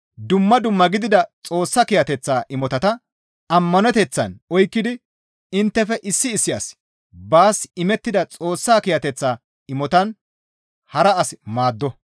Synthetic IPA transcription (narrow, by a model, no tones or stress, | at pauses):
d̪ʊmːɐd̪ʊmːɐɡɪd̪ɪd̪ɐt͡sʼo̞ːsːɐkɪjɐt̪ɛt͡sːaːʔɪmɔt̪ɐt̪ɐ | ɐmːɐnɛt̪ɛt͡sːɐ̰nɔjkːɪd̪ɪ | ɪnt̪ːɛfɛʔɪsːɪːsːɪja̰s | baːsɪmɛt̪ːɪd̪ɐt͡sʼo̞ːsːaːkɪjɐt̪ɛt͡sːaː | ɪmɔt̪ɐn | hɐɾɐɐsmaːd̪ːɔ